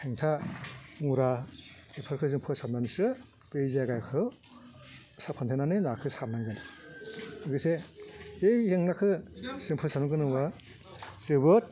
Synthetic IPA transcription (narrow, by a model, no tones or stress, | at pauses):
hʰeŋtʰa | uɾa | epʰɯɾkʰɯzɯmpʰɯsananɯsɯ | pezaɡajkʰɯ | sapʰantʰenanɯnakʰɯsanaŋɡɯn | ɯɡɯse | ejeŋnakʰɯsɯmpʰɯsanɯɡɯnɯwa | sɯbɯt̚